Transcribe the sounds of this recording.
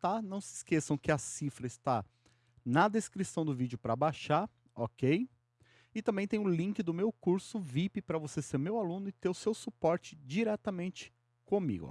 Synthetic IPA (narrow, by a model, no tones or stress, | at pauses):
t̪anɐ̃w̃sɪskesɐ̃w̃kɪɐsifɾɐɪst̪a | nɐd̪eskɾisɐ̃w̃d̪ʊvid͡ʒɪʊpɾɐbajʃaɾ | ɔkej | ɪt̪ɐ̃mbẽj̃t̪ẽj̃ʊlĩkɪd̪ʊmewkuɾsʊvipɪpɾɐvoseseɾmewalũnʊɪt̪eɾʊsewsupɔɾt͡ʃɪ̥d͡ʒiɾɛt̪ɐmẽnt͡ʃɪ̥ | kõmḭɡʊ̰